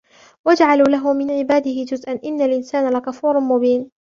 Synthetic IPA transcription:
wad͡ʒʕaluːlaɦʊmɪnʕɪbaːd̪ɪhɪd͡ʒʊzʔanʔɪnːalʔɪnsaːnalakafuːɾˤnmʊbiːn

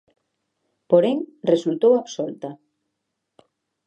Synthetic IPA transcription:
poɾeŋresult̪owaβsolt̪a

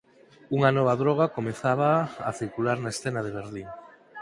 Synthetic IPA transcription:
uŋanɔβ̞aðɾɔɣ̞akomeθaβaːθiɾkulaɾnaesθenaðeβ̞eɾðiŋ

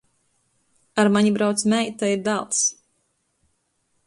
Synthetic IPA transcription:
aɾmaɲibɾawt̪smʲɛjt̪aiɾd̪alˠs

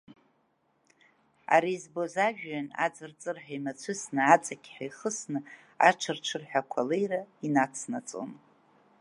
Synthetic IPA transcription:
a̰ɾizbozaʒᶣana̰d͡zɨrt͡sʼɨrħᶣajmat͡sʷʰɨsnɨat͡sʼakʲʰʼħajχəsnɨ | a̰ʈ͡ʂʰɨrʈ͡ʂʰɨrħʷᶣakʷʰalejrainat͡sʰnat͡sʼo̰n

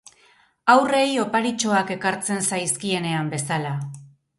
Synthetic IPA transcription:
awre̞jo̞paɾit͡ʃo̞ake̞kaɾt͡se̞nsajskie̞ne̞ambe̞sala

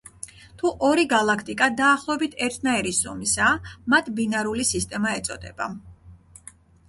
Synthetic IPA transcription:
t̪ʰuʔɔɾiɡalˠakʰt̪ʼikʼad̪aːχlˠɔɛbit̪ʰɛɾt̪ʰnaɛɾisɔmisamat̪ʰbinaɾulisist̪ʼɛmaɛt̪sʼɔd̪ɛ̰b̥a̰

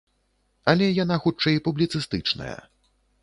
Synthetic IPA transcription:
ɐlʲɛjanaxut͡ʂɛjpublʲit̪sɨst̪ɨt͡ʂnɐ̰jɐ̰

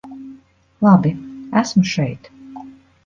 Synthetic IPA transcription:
lˠɑbiæsmuʃɛjt̪

